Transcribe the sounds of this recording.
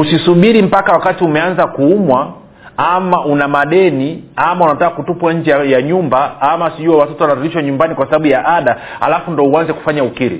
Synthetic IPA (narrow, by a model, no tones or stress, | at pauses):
usisuɓiɾim̩pakawakatiumɛanzakuːmwa | amaʔunamaɗɛniamaunatakakutupwaɲ̩d͡ʒɛjaɲumbaamasiʄuwawatɔtɔwanaɾuɾiʃwaɲumbanikwasaɓaɓujaʔaɗa | ha̰lafundɔuanzɛku̥faɲaukiɾḭ